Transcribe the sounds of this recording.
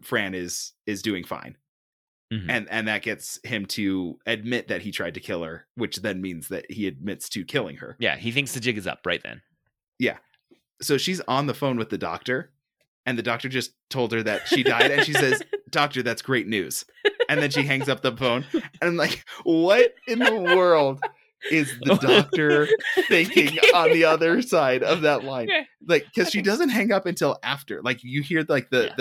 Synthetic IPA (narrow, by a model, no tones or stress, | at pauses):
fɹæ̃nɪz̥ɪzdʉɪ̃ŋfã̰ɪ̃n̩ | ɨ̃nɨ̃nðɨt̚ɡ̥ɛtshɪ̃mtʰɨɨd̚mɪt̪̚ðɨt̚hitʰɹ̥aɪd̚tʰɨkʰɪlˠə˞wɨt͡ʃðɨ̃nmĩnzðɨ̰t̚hiɨd̚mɪtstʰɨkʰɪlˠɪ̰̃ŋə̰˞jæ̰hiθɪ̃ŋksðɨd͡ʒɪɡɨzʌ̰p̚ɹaɪt̪̚ðɨ̰̃n | jæ̰ | soʊʃiz̃n̩ðəfõʊ̃nwɨðɨdɔ̰k̚tə˞ | ɨ̃nðɨdɔk̚tə˞d͡ʒʌstʰoʊlˠdz̚ə˞ðɨ̰tʃidaɪɾɨ̃nʃisɛzd̥ɔk̚tə˞ðætsɡ̥ɹeɪtⁿnʉ̰z̥ | ɨ̃nðɨ̃nʃiɦæ̃ŋzʌp̚ðəfõʊ̃nɨnãɪ̃mlaɪkwʌɾɪ̃nðəwɜ˞lˠd | ɪzðɨdɔk̚tə˞θɪ̃ŋkɪ̃ŋə̃nðiʌðə˞saɪɾʌvðəʔˡlãɪ̃n | laɪkʰːʌz̥ʃidʌzɨ̃nt̚ɦæ̃ŋʌpɨ̃ntʰɪlˠæftə̰˞laɪkjɨhiɹlaɪk̚ðɨð